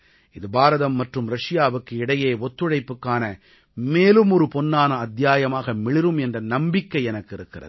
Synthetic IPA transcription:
ɪðɯbaːɾɐðɐmːɐʈrɯmɾɐʂɪjaːʋɯkːɯɪɽɐjeːɔt̪ːɯɻɐɪpːɯkːaːnɐ | meːlɯmɔɾɯpɔnːaːnɐːd̪jaːjɐmaːɣɐmɪɭɪɾɯmɛndrɐnɐmbɪkːɐɪɛnɐkːɪɾɯkːɪrɐ̰ð

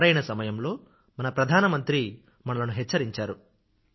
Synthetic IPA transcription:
ɾɐjnɐsɐmɐjɐmlo̞ː | mɐnɐpɾɐd̪ʱaːnɐmɐnt̪ɾi | mɐɳɐlɐnuɦɛt͡ʃːɐɾiɲt͡ʃaːɾu

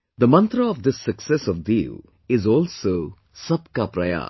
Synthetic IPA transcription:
d̪əmʌ̃nt̪ɾəːʋd̪ɪsːəksɛsɔʋvji | ɪzɔːlsoː | sɐb̚kapɾɐja̰ː

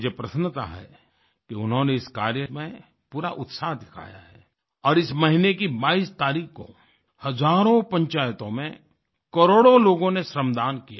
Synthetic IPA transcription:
jepɾɐsənt̪a̰ɦɛ̰ | kiʊnɦõneɪskaːɾjəmẽ | puːɾaʔʊt̪saːɦd̪ɪkʰa̰ːja̰ɦɛː | ɔːɾɪsmɐɦɪnekibaːiːst̪aːɾiːkko̰ | hɐzaːɾõpɐ̃ɲt͡ʃaːjt̪õmḛ̃ | kɐɾoːɽoloːɡõneʃɾəmd̪aːnkija

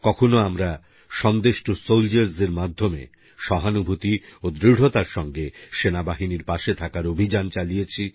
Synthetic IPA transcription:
kɔkʰonoamɾa | ʃɔnd̪eʃʈosowld͡ʑeɾzeɾmad̪ʱːomḛ | ʃɔɦanubʱut̪iod̪ɾiɽ̤ot̪aɾʃɔŋɡeʃenabaɦiniɾpaʃet̪ʰakaɾobʱid͡ʑant͡ɕalijet͡ɕʰi

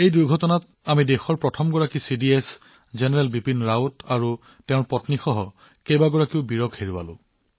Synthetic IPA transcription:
ejduɹɡʱɔtɔnat | amidexɔɹpɹɔtʰɔmɡɔɹakisidies | zenɛɹɛlbipinɹawtaɹu | tɛ̃ʊ̃ɹpɔtnixɔɦɔ | kejbaɡɔɹakiʊbiɹɔkheɹuwa̰lʊ̰̃

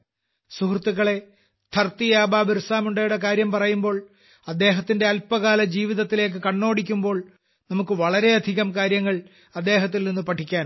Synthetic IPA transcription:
suhrt̪ːuɣɐɭe̞ | t̪ʰɐrt̪ːijaːbaːbɐɾsaːmuɳɖaːjuɽɐkaːɾjɐmpɐrɐjumbo̞ːɭ | ɐd̪ːe̞ːɦɐt̪ːinde̞ɐlpːɐɣaːlɐd͡ʑiːʋiðɐt̪ːile̞ːk̬ːɨkɐɳːo̞ːɽikʲːumbo̞ːɭ | nɐmukːɨʋɐɭɐɾe̞ɐd̪ʱiɣɐmkaːɾjɐŋːɐɭ | ɐd̪ːe̞ːɦɐt̪̬ːilninːɨpɐʈʰːikʲːaːn

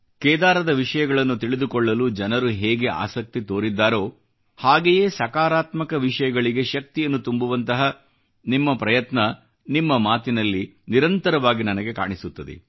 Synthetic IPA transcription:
kɛːd̪aːɾɐd̪ɐʋiʂɐjɐɡɐɭɐnːut̪iɭid̪ukɔɭːɐlud͡ʒɐnɐɾuɦɛːɡe̞ʔa̰ːsɐk̚t̪it̪o̞ːɾid̪ːaːɾo̞ː | haːɡeje̞ːsɐkaːɾaːt̪mɐkɐʋiʂɐjɐɡɐɭiɡe̞ʃɐk̚t̪ijɐnːut̪umbuʋɐnt̪ɐɦɐ | nimːɐpɾɐjɐt̪nɐ | nimːɐmaːt̪inɐlːiniɾɐnt̪ɐɾɐʋaːɡinɐnɐɡe̞ka̰ːɳisut̪ːɐd̪ḛ

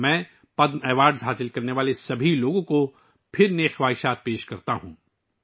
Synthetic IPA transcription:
mɛ̃ː | pɐd̪mɛːʋaːɾɖzɦaːsɪlkɐɾneʋaːlesɐbʱiloːɡõko | pʰɪɾneːxʋaːɦɪʃaːt̪̚peːʃkɐɾt̪aɦũː

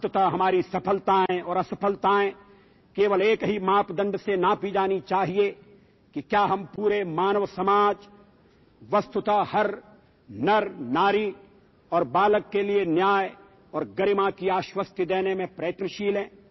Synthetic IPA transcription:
t̪t̪aɦɐmaːɾisɐpʰəlt̪aɦɛ̃ɔːɾɐsɐpʰəlt̪aɦɛ̃ː | keːʋəleːkɦimaːpd̪ɐ̃ɳɖsenapid͡ʒaːnit͡ʃaːɦie | kikjaːɦɐmpuːɾemaːnəʋsɐmaːd͡ʒ | ʋɐst̪ʊt̪ahɐɾ | nɐɾnaːɾi | ɔːɾbaːləkːelienjaːj | ɔːɾɡɐɾɪmãkiaːʃwəst̪əd̪eːnemẽpɾɐːət̪nəʃiːlɦɛ̃ː

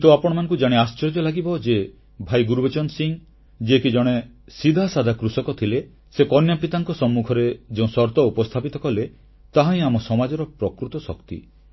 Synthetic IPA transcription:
t̪uapɔɽ̃ɔmanɔ̃ŋkud͡ʒaɽ̃east͡ʃɔɾd͡ʒɔlaɡibɔd͡ʒe | bʱajɡuɾubet͡ʃɔnsiŋ | d͡ʒiekid͡ʒɔɽ̃e | sid̪ʱasad̪ʱakɾusɔkɔt̪ʰile | sekɔnjapit̪aŋkɔsɔmːukʰɔɾed͡ʒeũsɔɾt̪ɔupɔst̪ʰapit̪ɔkɔle | t̪aɦaĩamɔsɔmad͡ʒɔɾɔpɾɔkɾut̪ɔsɔ̰kt̪ḭ

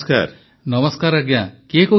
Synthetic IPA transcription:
ska̰ɾ | nɔməskaɾaɡjakeko

